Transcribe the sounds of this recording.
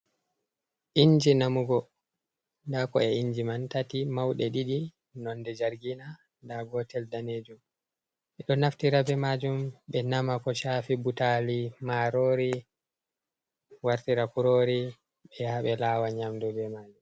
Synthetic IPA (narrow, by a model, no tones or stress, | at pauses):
ʔiɲd͡ʒinamuɡɔ | ndakɔɛiɲd͡ʒimantatimawɗɛɗiɗi | nɔnːdɛd͡ʒaɾɡina | ndaɡɔtɛldaned͡ʒum | ʔɛɗɔnaftiɾabɛmad͡ʒumɓɛnamakɔʃaːfibutalimaɾoːɾi | waɾtiɾakuɾoːɾi | ɓɛhaɓɛlaːwaɲamdɔbɛmaːd͡ʒum